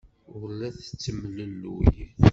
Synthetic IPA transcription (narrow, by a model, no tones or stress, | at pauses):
ʊɾlæθt͡sːəmləlːujiθ